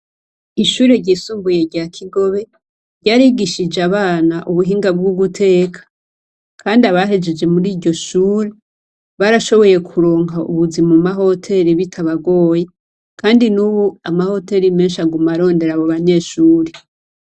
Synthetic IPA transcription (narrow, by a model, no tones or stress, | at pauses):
iʃuːɾe̞ɾɟiːsuːmbuje̞ɾɟaːkʰiɡo̞βe̞ | ɾɟaːɾiɡiʃid͡ʒeaβaːnaʔuβuɦiːŋɡab̚ɡuɡutʰe̞ːkʰḁ | kʰaːndiaβaɦe̞d͡ʒe̞d͡ʒe̞muɾiːɾɟo̞ʃuːɾe | βaɾaʃo̞βo̞je̞kʰuɾoːŋɦaṵβuzimumaɦo̞tʰe̞ɾiβitʰaβaɡo̞ːje̞ | kʰaːndinuːβuamaho̞te̞ɾime̞ːnʃaɡumaɾo̞ːnde̞ɾaβoβaɲe̞ːʃuːɾe̞